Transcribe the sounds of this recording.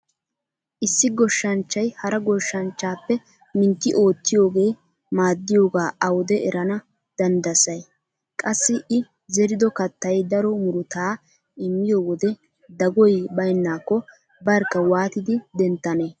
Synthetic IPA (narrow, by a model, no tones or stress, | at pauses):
ʔɪsːɪɡɔʃːɐnt͡ʃːɐjhɐɾɐɡɔʃːɐnt͡ʃːaːpːɛ | mɪnt̪ːɪʔo̞ːt̪ːɪjo̞ːɡe̞ː | maːd̪ːɪjo̞ːɡaːʔɐwɔd̪ɛɛɾɐnɐ | d̪̥ɐnd̪ɐsɐj | kʼɐsːɪʔɪ | zɛɾɪd̪ɔkɐt̪ːɐjd̪ɐɾɔmʊɾʊt̪aː | ɪmːɪjo̞ːwɔd̪ɛ | d̪ɐɡɔjbɐjnːaːkːɔ | bɐɾkːɐwaːt̪ɪd̪ɪd̪ɛnt̪ːɐneː